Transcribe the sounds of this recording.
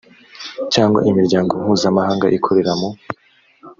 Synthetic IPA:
caːŋɡwa̰ʔimiɾɟaːŋɡo̞huːzamahaːŋɡaʔikʰo̞ɾe̞ɾamo

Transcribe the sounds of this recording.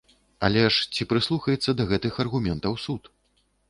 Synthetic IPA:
ɐ̰lʲɛʂt͡sʲipɾɨslˠuxɐjɛt̪sːɐd̪ɐɣɛt̪ɨxɐrɣumʲɛnt̪ɐwsut̪

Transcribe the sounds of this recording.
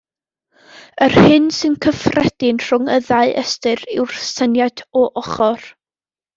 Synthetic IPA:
ərhɪnsɨnkʰəfrɛd̥ɪnr̥ʊŋəðaɨʔɛstɨrɪwrsənjadɔʔɔχɔr

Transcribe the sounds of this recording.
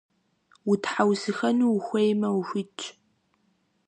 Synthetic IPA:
wʊtʰħawsɨxɐnuxʷejmɐwxʷɪt͡ʃʼ

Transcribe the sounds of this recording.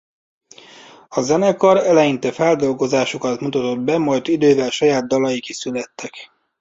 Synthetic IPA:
ɒzɛnɛkɒɾɛlɛjint̪ɛfɛld̪o̞lɡo̞zaːʃo̞kɒt̪mut̪ɒt̪o̞d̪bɛmɒjt̪id̪øːvɛlʃɒjaːd̪̚d̪ɒlɒjikisylɛt̪ːɛk

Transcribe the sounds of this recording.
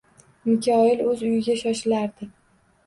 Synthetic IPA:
mɪkʲʰɒɪlɵzʊjɪɡʲaʃɒʃɪlaɾd̪ɪkʲ

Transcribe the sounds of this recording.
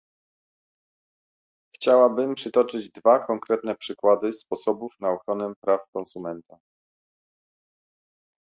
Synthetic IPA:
xt͡ɕawabɘmpʂɘt̪ɔt͡ʂɘd͡ʑd̪vakɔŋkɾɛt̪nɛpʂɘkwad̪ɘspɔsɔbufnaɔxɾɔnɛmpɾafkɔnsumɛnt̪a

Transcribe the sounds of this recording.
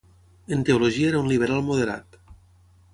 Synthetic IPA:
ent̪euloʒieɾaunliβ̞eɾalˠmoðeɾa̰t̪

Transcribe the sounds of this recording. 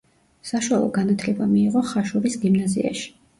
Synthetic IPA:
saʃwalˠɔ̰ɡanat̪ʰlɛbamiːʁɔχaʃuɾisɡimnazḭa̰ʃi̥

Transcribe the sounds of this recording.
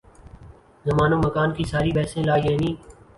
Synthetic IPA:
zəmaːnoːməkaːnkiːsaːɾiːɓɛːsẽːlaːiːɦeːniː

